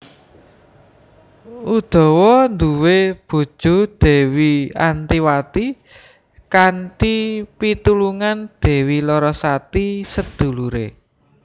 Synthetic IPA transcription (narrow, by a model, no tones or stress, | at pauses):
ʔud̪̥ɔ̤wɔnd̪uweb̥ṳd̥ʒ̥ṳd̪̥ɛ̤wiant̪iwat̪i | kantipit̪uluŋand̪̥ɛ̤wilɔɾɔsat̪isəd̪̥ṳluɾḛ